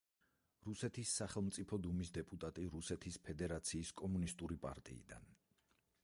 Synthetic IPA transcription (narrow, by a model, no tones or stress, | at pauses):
ɾusɛt̪ʰisːaχɛlˠmt̪sʼipʰɔd̪umisd̪ɛpʼut̪ʼat̪ʼiɾusɛt̪ʰispʰɛd̪ɛɾat̪sʰiːskʼɔmunist̪ʼuɾipʼa̰ɾt̪ʼḭːd̪a̰n